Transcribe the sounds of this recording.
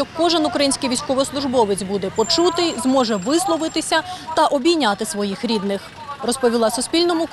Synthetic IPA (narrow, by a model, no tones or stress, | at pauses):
ɔkːɔʒɪnʊkɾɐjinʲsʲkɪjʋʲijsʲkɔʋɔslˠʊʒbɔʋɪt͡sʲbud̪ɛpɔt͡ʃut̪ɪzmɔʒɛʋɪslˠɔʋɪt̪ɪsʲɐt̪ɐʔɔbʲijnʲat̪ɪsʋɔjixɾʲid̪nɪx | rɔspɔʋʲilˠɑsʊspʲilʲnɔmʊk